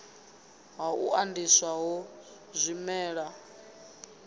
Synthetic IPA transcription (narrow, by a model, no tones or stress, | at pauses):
ɦaṵʔandiswaɦɔ | zʷimɛːɺa